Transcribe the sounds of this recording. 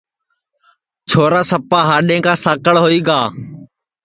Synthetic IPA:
t͡ʃʰoːɾaːsəpaːɦaːɗẽːkãːsaːkəɭɦoːiːɡaː

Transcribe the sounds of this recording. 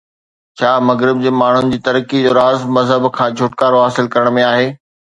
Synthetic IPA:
t͡ɕʰaːmɐɣɾɪb̚d͡ʑeːmaːɳ̤ʊnɪ̆d͡ʑiːt̪ɐɾkid͡ʑoːɾaːzmɐzɦəbkʰãːd͡ʑʱʊʈkaːɾoɦaːsɪlkɐɾəɽ̃mẽaːɦeː

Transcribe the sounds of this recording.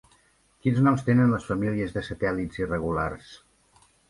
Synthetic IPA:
kinznɔmst̪enənləsfəmiliəzðəsət̪ɛlitz̥irəɣula̰rs

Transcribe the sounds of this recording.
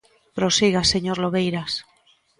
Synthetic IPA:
pɾosiɣaseɲoɾloβejɾas

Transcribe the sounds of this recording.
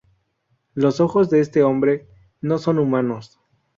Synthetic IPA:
lo̞so̞xo̞zðeest̪e̞o̞mbɾe̞ | no̞so̞numãno̞s

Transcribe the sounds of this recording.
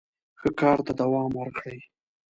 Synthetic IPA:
xəkɑɾt̪ad̪awɑmwəɾkɽəj

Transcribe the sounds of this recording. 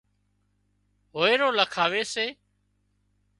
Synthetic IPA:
ɦoːeːɾoːləkʰaːʋeːseː

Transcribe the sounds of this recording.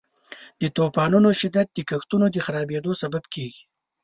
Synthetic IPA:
d̪̥ət̪opɑnunoʃɪd̪at̪̚d̪əkaxt̪unod̪əxaɾɑbed̪osababkʰeɡi

